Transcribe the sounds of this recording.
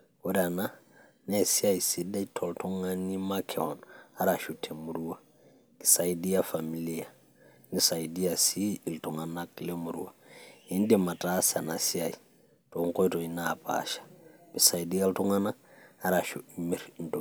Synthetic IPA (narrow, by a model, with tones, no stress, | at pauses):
o˦ɾa˨na˦ | nɛ˨si˦a˦i˨si˨da˦i˦tʰɔ˨ltʰɔ˦ŋa˦ni˦ma˦kʰɛ˨ɔ˨na˦ɾa˨ʃu˨tʰe˨mu˨ɾu˦a˦ | ki̥˨sa˨i˦di˦a˦fa˨mi˨li˦a˨ | ni˨sa˨i˨di˦a˨siː˦˨lto˨ŋa˨na˦ki˦le˦mu˨ɾṵ˦wa˨i˦n˦dɛ˨ma˨ta˦sa˨na˨si˦a˨i˨ | to˨ŋko˦i˦tɔ˨i˨˦na˨pa̰ʃḁ˨bi˨sa˨i˨di˦a˦ltu˦ŋa˦naː˦ | ɾa˨ʃu˨imi˦ɾn̩˨to˨